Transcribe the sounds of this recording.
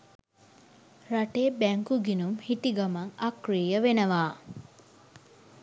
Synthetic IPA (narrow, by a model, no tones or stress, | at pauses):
raʈeːbæŋkuɡinumhit̪iɡamaŋakriːjəʋenəʋaː